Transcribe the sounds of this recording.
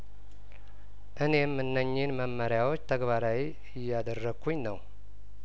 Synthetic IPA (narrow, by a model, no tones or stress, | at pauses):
ʔɨne̞mːɨnːəɲːɪnməmːəɾjawot͡ʃːt̪ʰəɡβaɾawi | ɪjːad̪ərːəɡʰuɲnəw